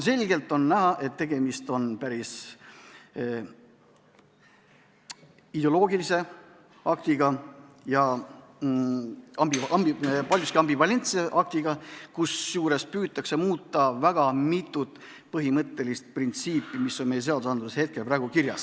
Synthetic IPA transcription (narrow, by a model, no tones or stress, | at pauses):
se̞lʲɡe̞lt̪ːˑo̞nnæɦɑʔe̞t̪ːe̞ɡ̥e̞mist̪o̞npæɾis | id̪̥eolo̞ːɡilise̞ | ɑkt̪iɡɑ | jɑ | ɑmbiɑmipɑlʲjuskiɑmbivɑle̞nt̪sieʔɑk̚t̪iɡ̥ɑkusjuːɾe̞spyːt̪ːˑɑkse̞muːt̪ˑːɑvæɡ̥ɑmit̪ˑːut̪ːˑ | pɤɦimɤt̪ːe̞list̪̚print̪siːpːˑimisːo̞nme̞jese̞ɑd̪usɑnd̪useshe̞t̪̚ke̞lpɾæːɡ̥ukiɾjɑ̰s